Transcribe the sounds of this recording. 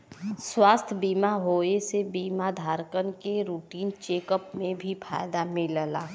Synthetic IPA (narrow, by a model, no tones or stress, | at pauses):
swaːst̪ʰbiːmaɦoːesebiːmad̪ʱaːɾkənkeɾuːʈiːnt͡ʃeːkəpmẽbʱipʰa̰ːjd̪amɪləlaː